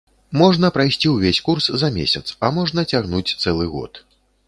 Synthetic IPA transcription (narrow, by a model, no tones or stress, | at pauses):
mɔʐnɐpɾajsʲt͡sʲiwvʲesʲkurszɐmʲḛsʲɐt̪sɐmɔʐnɐt͡sʲaɣnut͡sʲt̪sɛlˠɨɣɔ̰t̪